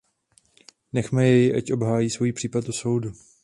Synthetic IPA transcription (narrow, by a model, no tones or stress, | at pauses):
nɛxmɛjɛjɪʔacʔo̞bɦaːjiːsvo̞jiːpr̥iːpat̪t̪ːoso̞wdu